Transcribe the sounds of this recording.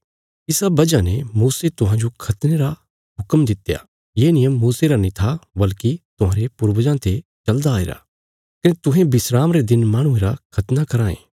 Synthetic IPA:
ɪsabɐd͡ʒanemuːset̪ʊɦãd͡ʒokʰɐt̪neɾa | ɦʊkəmd̪ɪt̪ja̰ | jeːnɪjəmːuːseɾanĩt̪ʰabɐlkit̪ʊɦãːɾepʊɾbəd͡ʒãt̪ʰet͡ʃɐld̪aːḛːɾa̰ | kɐnet̪ʊ̃ɦẽbɪsɾaːmɾed̪ɪnmaːɽ̃ʊ̃ẽːɾakʰɐt̪nakɐɾãːḛ̃ː

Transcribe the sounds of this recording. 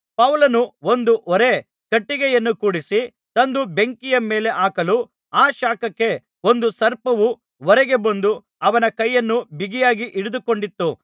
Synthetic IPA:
pɐwlɐnuond̪uʔɔɾe̞ | kɐʈːiɡɛjɐnːukuːɽisi | t̪ɐnd̪ube̞ŋkijɐmeːle̞ʔaːkɐlu | aːʃaːkɐkːe̞ | o̞nd̪usɐɾpɐʋu | ɔɾɛɡe̞bɐnd̪u | ɐʋɐnɐkɐjːɐnːubiɡijaːɡiʔiɽud̪uko̞ɳɖit̪ːu

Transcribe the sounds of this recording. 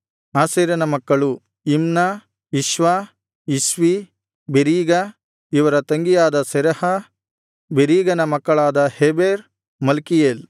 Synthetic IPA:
aːseːɾjɐnɐmɐkːɐɭu | imna | iʃʋaː | iʃʋi | beɾiːɡɐ | iʋɐɾɐt̪ɐŋɡijaːd̪ɐsɛɾɐhɐ | beɾiːɡɐnɐmɐkːɐɭaːd̪ɐheːbeːɾ | mɐlkijeːl

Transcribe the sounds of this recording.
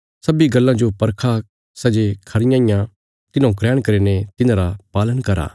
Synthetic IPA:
sɐbiɡɐlːãd͡ʒopɐɾkʰa | sɛd͡ʒekʰɐɾɪjãːĩjã | t̪ɪnãːũkɾɛːɽ̃kɐɾenet̪ɪnãːɾapaːlənkɐɾa̰ː

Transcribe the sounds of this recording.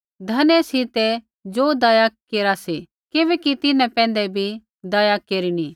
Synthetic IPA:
d̪ʱɐnɛsit̪ɛ | d͡ʒoːd̪aːjakeːɾasi | kɪβɛkit̪ɪnɛ̃pɛ̃ːn̆d̪ɛbʱi | d̪ɐːjakeːɾini

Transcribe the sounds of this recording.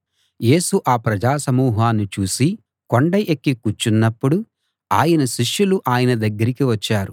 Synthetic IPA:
je̞ːsuʔaːpɾɐd͡ʒaːsɐmuːɦaːnːit͡ʃuːsi | koɳɖɐjʔekːikut͡ʃːunːɐpːuɽu | a̰ːjɐnɐʃiʂjuluʔaːjɐnɐd̪ɐɡːɐɾikiʋɐt͡ʃːaːɾu

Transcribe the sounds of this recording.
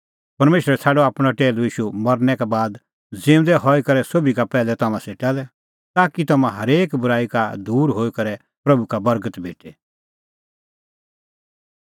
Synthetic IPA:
pɐɾmeːʃɾɛt͡sʰɛːɖɔaːpɽ̃aʈeːluiːʃumɐɾnɛkabaːd̪ | d͡zɪ̃ːʊ̃d̪ɛɦɔikɐɾɛsoːbikapɛːlɛt̪ɐmãseːʈalɛ | t̪aːkit̪ɐmãɦɐɾeːkbʊɾaːikad̪uːɾɦoːikɐɾɛ | pɾɐbukabɐɾɡət̪beːʈe

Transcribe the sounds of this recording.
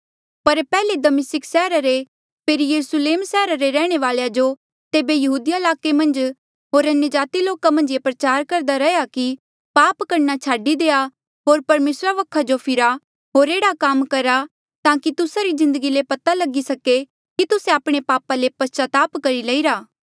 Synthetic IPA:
pɐɾpɛːled̪ɐmɪsɪksɛːɾaɾe | pʰeːɾijɐɾusleːmsɛːɾaɾeɾɛːɽ̃eʋaːlejad͡ʒo | t̪eːbejɐɦuːd̪ijaɪlaːkemɐ̃nd͡ʒ | ɦoːɾɐnjəd͡ʒaːt̪iloːkamɐ̃nd͡ʒjepɾɐt͡ʃaːɾkɐɾd̪aɾɐɦjaki | paːpkɐɾnat͡ʃʰaːɖid̪eːa | ɦoːɾpɐɾmeːsɾaʋɐkʰːad͡ʒopʰɪɾa | ɦoːɾeːɽakamkɐɾa | t̪ãːkit̪ʊsaɾizɪ̃nd̪əɡilepɐt̪alɐɡisɐke | kit̪ʊseaːpɽ̃epaːpalepɐt͡ʃat̪aːpkɐɾilɐiɾaː

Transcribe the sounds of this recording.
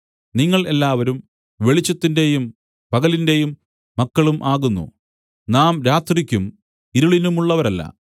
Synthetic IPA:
niŋːɐɭe̞lːaːʋɐɾum | ʋe̞ɭit͡ɕːɐt̪ːinde̞jum | pɐɣɐlindejumː | ɐkːɐɭumʔaːɣunːṵ | naːmɾaːt̪rikʲːum | iɾuɭinumuɭːɐʋɐɾɐlːɐ̰

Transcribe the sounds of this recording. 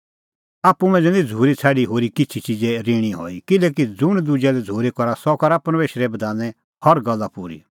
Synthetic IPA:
aːpːumɛ̃d͡zɛnĩd͡zʱuːɾit͡sʰaːɽiɦoːɾikɪt͡ʃʰit͡ʃid͡zɛɾeːɽ̃iɦo̰ːikɪlɛːk̬id͡zʊɽ̃d̪ʊd͡ʒɛlɛd͡zʱuːɾɛkɔɾasɔkɔɾapɐɾmeːʃɾɛbɐd̪aːnɛ | hɔɾɡɐlːapuːɾḭ

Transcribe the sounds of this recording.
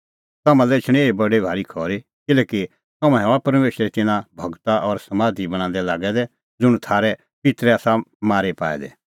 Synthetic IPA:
t̪ɐmãlɛɪt͡ʃʰɽ̃ẽeːbɐɖebʱaːɾikʰɔːɾe | kɪlɛːki | t̪ɐmãɦɛɔapɐɾmeːʃɾet̪ɪnãbʱɐɡt̪aʔɔːɾsɐmaːd̪ʱibɐɽ̃ãːn̆d̪ɛlaːɡɛd̪ɛ | d͡zʊɽ̃t̪ʰaːɾɛ | pɪt̪ɾɛaːsamaːɾepaːɛ̰d̪ɛ̰

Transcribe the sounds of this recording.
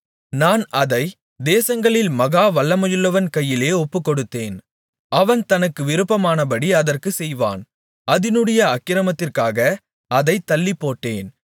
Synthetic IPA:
naːnɐðɐɪ | d̪eːsɐŋɡɐɭɪlmɐɣaːʋɐɭːɐmɐjɯlːɐʋɐnkɐjːɪleːɔpːɯkːɔɽɯt̪ːeːn | ɐʋɐnt̪ɐnɐkːɯʋɪɾɯpːɐmaːnɐpɐɽiɐðɐrkɯsɛjʋa̰ːn | ʔɐðɪnɯɽɐjɐɐkːɪɾɐmɐt̪ːɪrkaːɣɐ | ɐðɐɪt̪ːɐlːɪpːoːʈːeːn

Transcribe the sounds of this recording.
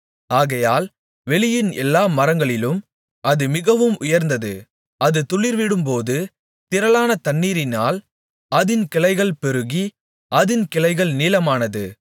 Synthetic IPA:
aːɣɐjaːl | ʋɛɭɪjɪnɛ̰lːaːmɐɾɐŋɡɐɭɪlɯm | ʔɐðɯmɪɣɐʋɯmʊjɐɾnd̪ɐðɯ̰ | ɐðɯt̪ʊɭɪɾʋɪɽɯmpoːðɯ | t̪ɪɾɐlaːnɐt̪ɐɳːiːɾɪnaːl | ɐðɪnkɪɭɐɪɣɐɭpɛɾɯɣi | ʔɐðɪnkɪɭɐɪɣɐɭniːlɐmaːnɐðɯ

